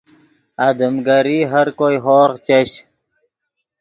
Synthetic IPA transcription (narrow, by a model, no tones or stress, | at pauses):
ad̪əmɡəɾiɦɐɾkojɦoːɾqt͡ɕeɕ